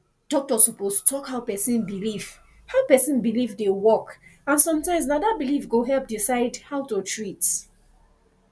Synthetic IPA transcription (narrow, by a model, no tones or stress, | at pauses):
d̥ɔk̚tɔsɔposttʰɔkhaʊpɛsĩnbiliv̥ | haʊpɛsĩnbilivdewɔkãnsɔ̃mtãɪ̃ms̬nadabilivɡoɦɛlp̚disaɪdhaʊtutʰɹit